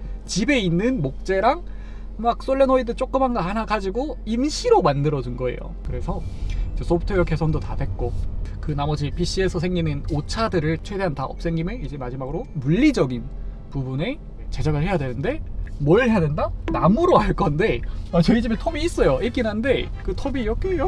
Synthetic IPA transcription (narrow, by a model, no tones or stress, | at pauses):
t͡ɕibe̞inːɯnmok̚t͡ɕ͈e̞ɾaŋ | mak̚s͈oɭːenoidɯt͡ɕ͈ok͈ɯmɦanɡahanaɡad͡ʑiɡoinɕʰiɾomandɯɾʌd͡ʑunɡʌe̞̰jo̰kɯɾe̞sʰʌid͡ʑe̞s͈ʰopʰɯ̥tʰojʌkʰe̞sʰʌŋdotadwe̞t̚k͈okɯnamʌd͡ʑipʰiɕ͈iesʰʌsʰe̞ŋɡinɯnot͡ɕʰadɯɾɯɭt͡ɕʰwe̞de̞ɦantaʌp̚s͈e̞ŋɡimjɯid͡ʑe̞mad͡ʑimaɡɯɾomuʎːid͡ʑʌɡin | pubune̞ | t͡ɕe̞d͡ʑaɡɯɭhe̞jadwe̞nɯnde̞mwʌɭɦe̞jadwendanamuɾoɦaɭk͈ʌnde̞at͡ɕʌid͡ʑimetʰomiːs͈ʌjoek͈inɦande̞kɯtʰobiːjʌk͈ejo